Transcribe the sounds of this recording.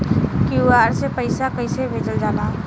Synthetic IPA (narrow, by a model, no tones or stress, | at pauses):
kiuaːɾsepəɪsakəɪsebʱeːd͡ʒəld͡ʒaːla